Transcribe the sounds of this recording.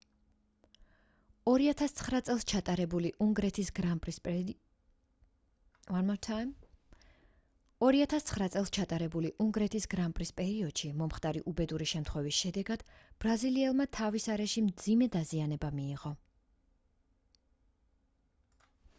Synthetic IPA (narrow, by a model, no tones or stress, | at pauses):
ɔɾiat̪ʰast̪sʰχɾat̪sʼɛlˠst͡ʃʰat̪ʼaɾɛbuliʔuŋɡɾɛt̪ʰisɡɾapʼ | amtʰ | ɔɾiat̪ʰast̪sʰχɾat̪sʼɛlˠst͡ʃʰat̪ʼaɾɛbuliʔuŋɡɾɛt̪ʰisɡɾampʼɾispʼɛɾiɔd̪̥ʃimɔmχt̪ʼaɾiʔubɛd̪uɾiʃɛmt̪ʰχwɛvisʃɛd̪ɛɡad̪̥b̥ɾaziliɛlˠmat̪ʰavisaɾɛʃimd̪zimɛd̪azianɛbamiːʁɔ